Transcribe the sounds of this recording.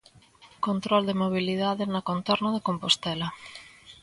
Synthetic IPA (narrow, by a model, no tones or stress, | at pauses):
kont̪ɾɔld̪emoβ̞iliðaðɪnɐkont̪ɔɾnʊðekompost̪ɛlɐ